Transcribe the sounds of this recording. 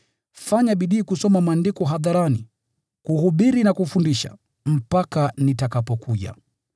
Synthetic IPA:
faɲaɓiɗiːkusɔmamaːndikɔɦaðaɾani | kuhuɓiɾinakufundiʃa̰ | m̩pakanitakapɔkuʄa̰

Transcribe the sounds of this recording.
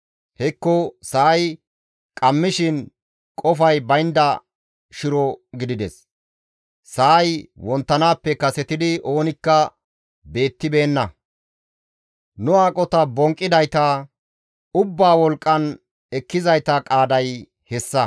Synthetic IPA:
hɛkːɔsɐːj | kʼɐmːɪʃɪn | kʼɔfɐjbɐjnd̪ɐ | ʃɪɾɔɡɪd̪ɪd̪ɛs | sɐːjwɔnt̪ːɐnaːpːɛkɐsɛt̪ɪd̪ɪʔo̞ːnɪkːɐ | be̞ːt̪ːɪbe̞ːnːɐ | nʊaːkʼɔt̪ɐbɔŋkʼːɪd̪ɐjt̪ɐ | ʊbːaːwɔlkʼːɐn | ɛkːɪzɐjt̪ɐkʼaːd̪ɐj | hɛsːɐ

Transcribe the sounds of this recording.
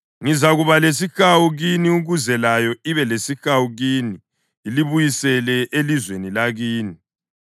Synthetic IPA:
ŋizaɣuβales̬ixawuɣiniuɣuzɛlajɔiβɛlesixawuɣiːniː | liβujisɛlɛʔelizwenilaɣiːni

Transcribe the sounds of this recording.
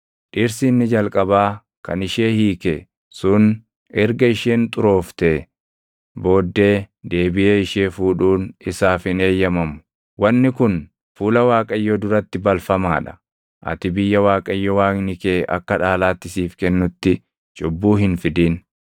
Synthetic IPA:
ᶑɪɾsɪːnːɪd͡ʒɐlkʼɐbaː | kɐ̰nɪʃeːhiːkḛ | sʊn | ɛɾɡɐɪʃeːnt̪ʼʊɾo̞ːft̪eː | bo̞ːd̪ːe̞ːd̪e̞ːbɪeːɪʃeːfuːᶑuːnɪsaːfɪne̞ːjːɐmɐmʊ̥ | wɐnːɪkʊn | fuːlɐwaːkʼɐjːod̪ʊɾɐt̪ːɪbɐlfɐma̰ːᶑɐ̥ | ʔɐ̰t̪ɪbɪjːɐwaːkʼɐjːɔwaːŋnɪkeːʔɐ̰kːɐᶑaːlaːt̪ːɪsiːfkɛnːʊt̪ːɪ | t͡ʃʼʊbːuːhɪnfɪd̪iːn

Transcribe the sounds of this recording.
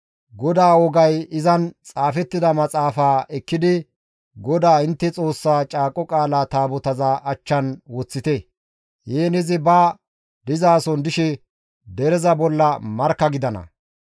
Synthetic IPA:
ɡɔd̪aːwɔɡɐjɪzɐnt͡sʼaːfɛt̪ːɪd̪ɐmɐt͡sʼaːfaːɛkːɪd̪ɪ | ɡɔd̪aːɪnt̪ːɛt͡sʼo̞ːsːaːt͡ʃʼaːkʼːɔkʼaːlaːt̪aːbɔt̪ɐzaːʔɐt͡ʃːɐnwɔt͡sːɪt̪ɛ | jeːnɛzɪbaː | d̪ɪzaːsɔnd̪ɪʃɛ | d̪ɛɾɛzɐbɔlːɐmɐɾkːɐɡɪd̪ɐnɐ̰

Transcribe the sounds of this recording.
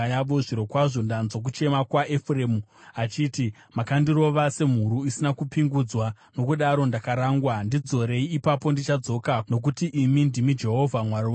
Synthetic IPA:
jaʋoʐiɾo̞kwaʐo̞ndanzok̬ut͡ʃe̞makwaʔefreːmuat͡ʃiːti | makandiro̞ʋase̞m̤uɾuisinakupiŋɡud͡zwa | no̞kuɗaɾo̞ndakaɾaːŋɡwandid͡zo̞ɾe̞iːpapo̞ndit͡ʃad͡zo̞kano̞k̬utiʔimindimid͡ʒe̞ɦo̞vʱamwaɾia

